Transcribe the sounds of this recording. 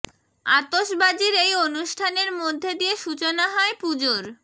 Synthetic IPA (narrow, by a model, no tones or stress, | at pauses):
at̪oʃbad͡ʑiɾejonuʃʈʰaneɾmod̪ʱːed̪ijeʃut͡ɕonaɦɔepud͡ʑoɾ